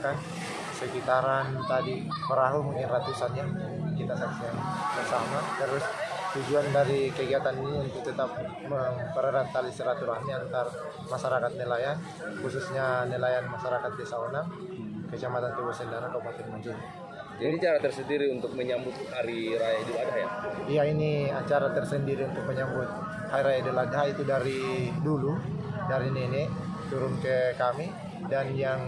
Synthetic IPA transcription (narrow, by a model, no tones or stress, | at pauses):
kan | səkit̪aɾant̪adi | pəɾaɦumuŋinrat̪usanja | kit̪asaksiaŋbəŋsamat̪əɾʊs | t̪ud͡ʒuandaɾikəɡiat̪aniniunt̪ʊk̚t̪ət̪ap̚ | məmpəɾəɾant̪alisiɾat̪uɾahɲaant̪ar | maʃaɾakat̪̚nilajan | xususɲanilajanmaʃaɾakat̪̚desaonam | kət͡ʃamat̪ant̪ubusəndaɾakaupat̪ɪnmuɲd͡ʒin | d͡ʒanit͡ʃaɾat̪ərsəndiɾiunt̪ʊk̚məɲambʊt̪̚haɾiɾajadilaɡahja̰ijainiat͡ʃaɾat̪ərsəndiɾiunt̪ʊk̚məɲambʊt̪̚ | hajɾajadiladaɦit̪udaɾidulu | daɾinenɛ | t̪uɾʊnkəkami | danjaŋ